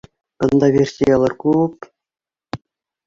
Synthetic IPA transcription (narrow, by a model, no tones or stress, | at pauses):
kɤ̆nd̪ɑʋʲerʲsʲejɑlˠɤrkup